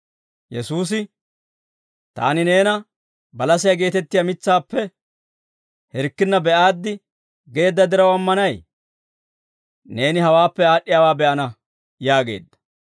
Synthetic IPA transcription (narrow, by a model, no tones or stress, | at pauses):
jɛ̰suːs̬ɪ | t̪a̰ːnɪne̞ːnɐ | bɐlɐsɪjaɡe̞ːt̪ɛt̪ːɪjɐmɪt͡sːaːpːɛ | hɛɾkːɪnːɐbɛʔaːd̪ːɪ | ɡe̞ːd̪ːɐd̪ɪɾɐwɐmːɐnɐj | ne̞ːnɪhɐwaːpːɛaːɗːɪjaːwaːbɛʔɐnɐ | jaːɡe̞̰ːd̪ːɐ̥